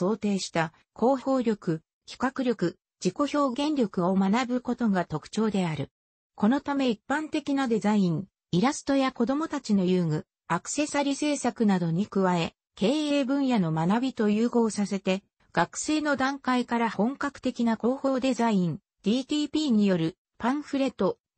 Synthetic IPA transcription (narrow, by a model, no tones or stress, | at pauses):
so̞ːt̪e̞ːɕi̥t̪a | kʰo̞ːço̞ːɾʲo̞kɯ̟ | kʲi̥kakɯ̟ɾʲjo̞kɯ̟ | d͡ʑiko̞ço̞ːɡẽ̞nɾʲo̞kɯ̟o̞manabɯ̟ko̞t̪o̞ɡat̪o̞kɯ̥t͡ɕo̞ːd̪e̞aɾɯ̟ | ko̞no̞t̪ame̞ipːãnt̪e̞kʲinad̪e̞zaĩɴ | iɾasɨ̥t̪o̞jako̞d̪o̞mo̞t̪at͡ɕino̞jɯːŋɯ̟ | akɯ̟̥se̞saɾʲise̞ːsakɯ̟nad̪o̞ɲ̟ikɯ̟βae̞ | ke̞ːeːbɯ̟̃ɰ̃jano̞manabʲit̪o̞jɯːɡo̞ːsase̞t̪e̞ | ɡ̥akɯ̟̥se̞ːno̞d̪ãŋkaikaɾahõ̞ŋkakɯ̟̥t̪e̞kʲinako̞ːho̞ːd̪e̞zaĩn | d̪̥ʲiːt̪ʲiːpʲiːɲ̟ijo̞ɾɯ̟ | pãɰ̃ɸɯ̟ɾe̞t̪o̞